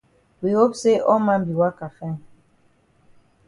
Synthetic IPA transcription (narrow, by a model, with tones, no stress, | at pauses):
wi˨ho˦pse˦ʔɔ˦mã˦mbi˨wa˦ka˨fɛ̃˦˨